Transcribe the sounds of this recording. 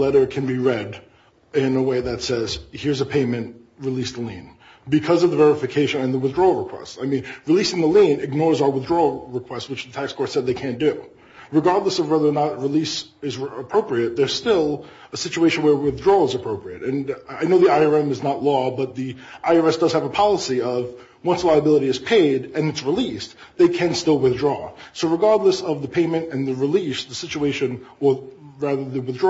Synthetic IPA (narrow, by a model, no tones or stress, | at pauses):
lɛɾə˞kʰɨ̃nbiɹɛɾ | ɪ̃nəweɪðɨtsɛz̥hɪɹzɨpʰẽɪmɨ̃nt | ɹɨlisðəlĩn | bɨkʰʌzʌvðəvɛɹɨfɨkʰeɪʃɨ̃nɨ̃nðəwɨθdɹɔlˠɹəkʰw̥ɛ̰staɪmĩnɹɨlisɪ̃ŋðəlĩnɨɡ̚nɔɹzaʊə˞wθdɹɔɹɨkʰw̥ɛstswɨt͡ʃðɨtʰækskʰɔɹtsɛd̪̚ðeɪkʰæ̃nd̥ʉ | ɹɨɡɑɹdˡləsʌvwɛðə˞nət̚ɹilisɨzəpʰɹ̥oʊpɹiɨt̪̚ðə˞z̥stɪlˠəsɪt͡ʃueɪʃɨ̃n̩wə˞wɪθdɹɔəzəpʰɹ̥oʊpɹiɨ̰ɾɨ̃naɪnoʊðiaɪə˞ɛ̃mɨznətˡlɔbʌt̪̚ðiʔaɪəɛsd̥ʌz̥ɨvəpʰɑlˠəsiʌv | wʌ̃nslaɪəbɪlˠəɾiɨz̥pʰeɪɾɨ̃nɨtsɹilis | ðeɪkʰɨ̃nstɪlˠwɨθdɹɔsoʊɹɨɡɑɹdˡləsʌvðəpʰẽɪ̃mɨ̃ntɨ̃nðɨɹɨlisðɨsɪt͡ʃueɪʃɨ̃nə˞ɹæðə˞ðɨwɨθdɹ